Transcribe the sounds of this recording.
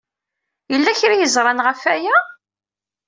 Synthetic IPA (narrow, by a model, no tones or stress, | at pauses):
jəlːæçɾijəzɾˤɑnʁəfæjæ